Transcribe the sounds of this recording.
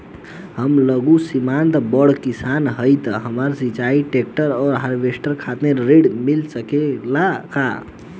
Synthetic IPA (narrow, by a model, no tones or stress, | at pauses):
həmləɡusimant̪bəɽkisanɦəjt̪ɦəməɾsit͡ʃaiʈek̚ʈəɾɔːɾɦəɾbesʈəɾkʰat̪neɾeɖmilsəkelaka̰